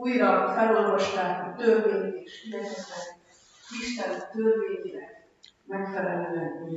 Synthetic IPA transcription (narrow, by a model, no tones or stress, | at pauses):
ujɾɒfɛlo̞lvɒʃt̪aːkɒt̪ørveːt̪eːʃid̪ɛtɛt̪ɛn | iʃt̪ɛnt̪ørveːɲilɛk | mɛkfɛɾɛlːɛni